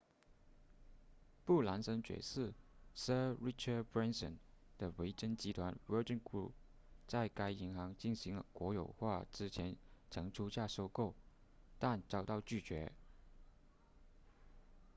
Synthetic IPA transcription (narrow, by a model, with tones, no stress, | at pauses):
pu˥˩la˧˥nsə˧˥nt͡ɕɥɛ̰˨˩sɹ̩˥˩sə˥ɹi˥ʈ͡ʂʰə˥˩pɹɛ˥nsə̰˨˩n | d̪̥ə˨we˧˥ɪʈ͡ʂə˥nt͡ɕi˧˥t̪ʰwa˧˥nwə˧˥ʈ͡ʂə˥nkɹṵ˥˩p | t͡sa˥˩ɪka˥ɪi˧˥ŋxɑ˧˥ŋt͡ɕi˥˩nɕi˧˥ŋlə̰˧kwɔ˧˥jo˨˩ʊxwa˥˩ʈ͡ʂɻ̩˥t͡ɕʰjɛ˧˥nʈ͡ʂʰɤ˧˥ŋʈ͡ʂʰu˥ɕja˥˩ʂo˥ʊko˥˩ʊ | t̪a˥˩nt͡sɑ˥˩ʊt̪ɑ˥˧ʊt͡ɕy˥˩t͡ɕɥɛ̰˧˥